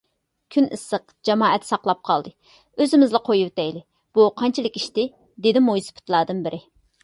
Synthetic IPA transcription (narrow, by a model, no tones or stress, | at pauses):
kʲʰynʔɨ̰səqd͡ʒɑmɑːɛt̪sɑqlˠɑp̚qʰɑlˠd̪ɨ | øzɪmɪzlˠɛqʰojuwt̪ɛjlɪ | b̥uqʰɑnt͡ʃʰilˠɨkʲiʃt̪ɪ | d̪ɪd̪ɪmojsɨ̥pʰɪ̥t̪ʰlˠɑɾd̪ɨnbɪɾʔɪ